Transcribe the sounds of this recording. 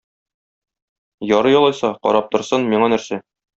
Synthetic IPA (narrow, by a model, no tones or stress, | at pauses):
jɒɾɤjɒlˠɑjsɑqɒ̰ɾɑp̚t̪ŏɾsɤnmiɴɑnæɾsæ